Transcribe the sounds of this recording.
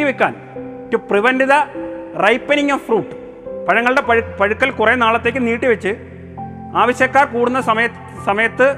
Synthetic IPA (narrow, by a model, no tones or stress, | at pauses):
iʋikʲːa̰ːn | kːupriʋɐndiðɐrɐjpːɐniŋːɐmfruːʈːɨ̥ | pɐɻɐŋːɐɭɨɽepɐpɐɻukːɐlkurenaːɭɐt̪ːekːɨniːʈːiʋɐt͡ɕːɨ | aːʋɐɕjɐkːaːrkuːɽunːɐsɐmɐjɐ | sɐmɐjɐt̪ːɨ